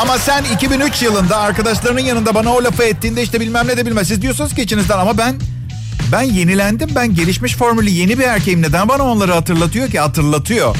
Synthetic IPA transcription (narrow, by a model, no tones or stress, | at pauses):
amasænicʰibinyt͡ʃjɯlˠɯnd̪aːɾkad̪aʃlˠaɾɯnɯnjanɯnd̪abanaolʲafɯɛt̪ːiːnd̪ɛiʃt̪ɛbilʲmæmnʲed̪ebilʲmæmsizd̪ijo̞sunuz̥ɟʲe̞t͡ʃʰinizd̪ænamabæn | bænje̞nilʲænd̪imbænɟe̞lʲiʃmiʃfo̞ɾmylʲije̞nibiæɾcʰejimne̞d̪ænbanao̞nlˠaɾɯhat̪ʰɯɾlˠat̪ʰɯjocihat̪ʰɯɾlˠat̪ʰɯjo̰